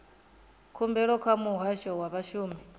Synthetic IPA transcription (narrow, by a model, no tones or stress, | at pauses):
kʰumbɛɺɔkʰwamuɦwaʃɔwaβaʃuːmi